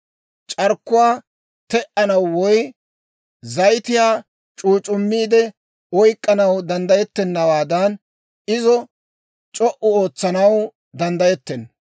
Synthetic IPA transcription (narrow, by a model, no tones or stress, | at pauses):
t͡ʃʼɐɾkːʊwaː | t̪ɛʔɐnɐwwɔj | zɐjt̪ɪjaː | t͡ʃʼuːt͡ʃʼʊmːiːd̪ɛ | ɔjkʼːɐnɐwd̪ɐnd̪ɐjɛt̪ːɛnːɐwaːd̪ɐn | ɪzɔ | t͡ʃʼɔʔʊo̞ːt͡sːɐnɐw | d̪ɐnd̪ɐjɛt̪ːɛn